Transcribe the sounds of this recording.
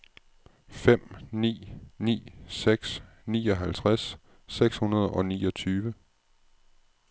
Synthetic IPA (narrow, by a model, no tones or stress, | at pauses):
fem̰nḭːnḭːseɡ̥s | nḭːɒ̽ɦælt͡sʰʁasː | eɡ̥shunɐð̞ˠɒ̽nḭːɒ̽t͡sʰyːʋə